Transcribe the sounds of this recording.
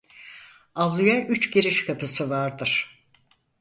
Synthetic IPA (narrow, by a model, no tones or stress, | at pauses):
avlˠujaʔyt͡ʃɟiɾiʃkʰapʰɯsɯvaɾd̪ɯɾ̥